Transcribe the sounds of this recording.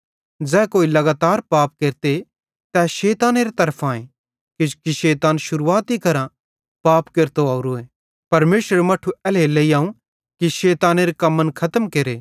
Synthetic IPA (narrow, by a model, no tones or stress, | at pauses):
d͡zɛ̃ːkoːilɐɡaːt̪aːɾpaːp̚keːɾt̪e | t̪ɛʃeːt̪aːneːɾet̪ɐɾpʰãːẽ | kɪd͡ʒkiʃeːt̪aːnʃʊɾuːaːt̪ikɐɾã | paːpkeːɾt̪oaːuɾoeː | pɐɾmeːʃəɾmɐʈʰuɛleleːiãːũ | kiʃeːt̪aːneɾekɐmːənkʰɐt̪əmkeɾeː